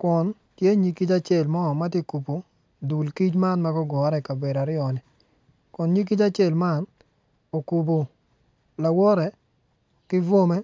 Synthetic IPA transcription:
kɔ˨n | tje˦ɲi˨ki˦t͡ʃa˦t͡ʃe˦˨lmɔ˦˨ma˦te˦ku˨po˨ | du˨lki˦t͡ʃma˦nma˦ɡɔ˦ɡɔ˨˦ɾɛ˨ka˨be˨ɾa˨ɾɪɔ˨nɪ˨ | kɔ˨nɲi˦k̬i˦t͡ʃa˦t͡ʃe˦˨lma˦˨n | o˨ku˨b̬o˨ | la˨wɔ˦ɾɛ˨ | kɪ˦vo˦me˦

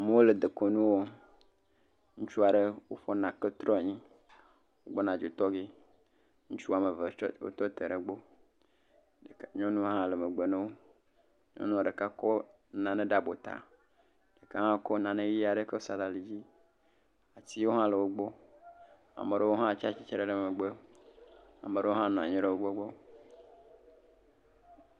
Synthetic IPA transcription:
a˨me˦wo˦le˨d̪e˨ko˨nũ˦wo˦ | ŋũ˦t͡ʃu˦a˨ɖe˦wo˦fɔ˦nã˨ke˦t̪ɾɔ˦˨ɲĩ˦ | wo˦ɡ͡bɔ˦nã˨d͡ʒo˨t̪ɔ˦ɡe˦ | ŋũ˦t͡ʃu˦˨a˨me˨ve˨˦wo̰˦t̪ɔ˦t̪e˨ɖe˨ɡ͡bo˦˨ | ɲɔ̃˦nũ˦ɦã˦le˨me˨ɡ͡be˨nẽ˦wo˦ | ɲɔ̰̃˦nũ˦˨ɖe˨ka˦kɔ˦ | nã˨nẽ˦ɖa˦bo˨t̪a̰˨ | ɖe˨ka˦ɦã˦kɔ˦nã˨nẽ˦ji˦a˨ɖe˦ke˦o˦sa˨la˨li˨d͡ʑi˦ | a˨ti˦wo˦ɦã˦le˨wo˦ɡ͡bɔ˦ | a̰˨me˨ɖe˦wo˦ɦã˦˨t͡ʃa˦t͡ʃi˦t͡ʃe˨ɾe˦˨ɖe˨me˨ɡ͡be˦ | a̰˨mẽ˨ɖe˦wo˦ɦã˦nɔ̃˨a̰˨ɲẽ˦ɖe˦wo˦ɡ͡bɔ˦ɡ͡bɔ˦

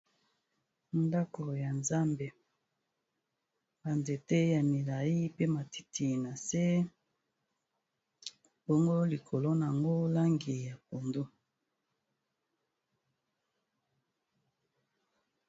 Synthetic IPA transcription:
nda˦ko˨ja˨nza˦mbe˨ | b̥a˨nze˨te˦ja˨mi˨la˨i˦pe˦ma˨ti̥˦tʰi˨na˨se˦ | bɔ˦ŋɡo˦li˨kʰo˨lo˦na˨ŋɡo˦la˦ŋɡi˨ja˨po˨ndo˦

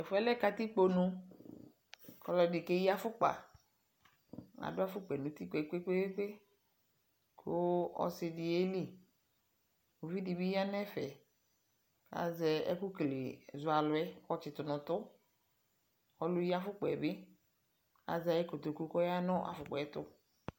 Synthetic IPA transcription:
ɛ˨fʊ˦ɛ˦lɛ˦ka˦t̪i˦k͡po˨nũ˦ | kɔ˨lɔ˨dɪ˨ke˦ji˦a˦fʊ˦k͡pa̰˨ | a̰˨dʊ˦a˦fʊ˦k͡pɛ˨nũ˨t̪i˦k͡pe˨ke˦k͡pe˦e˦k͡pe˦ | kʰo˦ɔ̰˦sɪ˨dɪ˨e˦li˦˨ | o˨vi˦di˨bi˦ji˦a˦nɛ˦fɛ˨ | a̰˨zɛ˨ɛ̰˦ku˦klḛ˨zʊ˨a˨lʊ˨ɛ˦xɔ˦t͡ʃɪ˨t̪ʊ˨nʊ̃˨t̪ʊ˦ | ɔ˦lʊ˦ji˦a˦fʊ˦k͡pɔ˨ɛ˨bɪ˦ | a̰˨za˨je˦ko˨t̪o˨ku˦kɔ˦ja˦nɔ̃˦ʔa̰˨fʊ˨k͡pɔ˨ɛ˦t̪ʊ˦

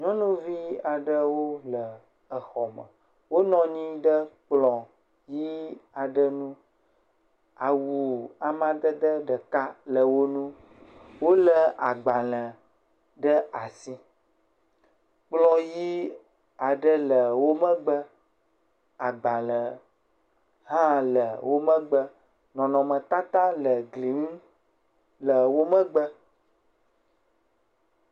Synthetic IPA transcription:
ɲɔ̃˦nũ˦vi˦a˨ɖə˦wo˦lə˨ | ə˨xɔ˨mə̰˨ | wo˦nɔ̃˨ɲĩ˦ɖə˦k͡plɔ̃˨ | ji˦a˨ɖə˦nũ˦ | a˨wu˨a˨mã˦d̪ə˦d̪ə˦ɖə˨ka˦lə˨wo˦nũ˦ | wo˦lə˦a˨ɡ͡ba˨lə˨ | ɖə˦a˨si˦ | k͡plɔ̃˦ji˦ | a˨ɖə˦lə˨wo˦mə̃˦ɡ͡bə˦ | a˨ɡ͡ba˨lə˨ | ɦã˦lə˨wʔo˦mə̃˦ɡ͡bə˦ | nɔ̃˨nɔ̃˨mə̃˨t̪a˦t̪ã˦lə˨ɡli˨˦ŋ˦ | lə˨wo˦mə̃˦ɡ͡bə˦

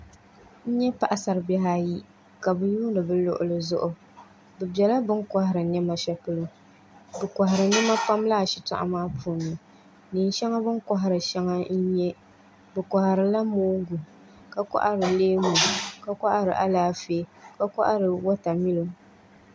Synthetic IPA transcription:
n̩˦ɲɛ˦pa˦ʔa˨sa˨ɾɨ˨bɛ˦ɦaː˦ji˦ | ka˨bɨ˨ju˦nɨ˨bɨ˦lʊ̰˦ʔʊ̰˦lɨ˨zʊ˦ʔʊ˨ | bɨ˨bɛ˨la˦bɨ˦ŋka˦hɪ˨ɾɨ˨ɲɛ˦ma˦ʃɛ˦pɨ˦lɨ˦ | bɨ˨ka˨ɦɪ˨ɾɨ˨nɛ˦ma˦pa˦mlaː˦˨ʃi˨ta̰˨ʔa̰˦maː˦pʰu˦˨nɨ˨ | ni˨nʃɛ˦ŋa˦bɨ˦nka˦ɦa˨ɾɨ˨ʃɛ˦ŋa˦n̩˦ɲɛ˦ | bɨ˨ka˨ha˨ɾɨ˨la˦moː˦ŋ˦ɡu˨ | ka˨ka̰˦ʔa˦ɾɨ˨leː˦mu˨ka˦ka˦ʔa˦ɾɨ˨ʔa˦laː˦feː˦ka˦ka˦ʔa˦ɾɨ˨wa˦ta˨mi˦lo˨

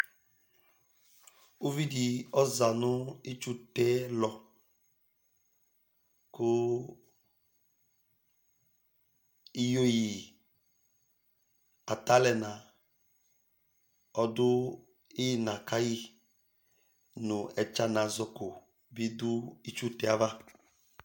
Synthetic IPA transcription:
o˦vi˦di˨ɔ˦za˨nʊ̃˦i˦t͡ʃu˦tɛ˦lɔ˨ | kʊ˦ | i˦jo˦ji˨ | a˨ta˦lɛ˨na˨ | ɔ˦dʊ˦ | ɪ˦na˨ka˦ji˦ | nʊ˨ɛ˨t͡ʃa˦na˨zɔ˦kʊ˨ | bi˦dʊ˦i˦t͡ʃu˦tɛ˨a˦va˦

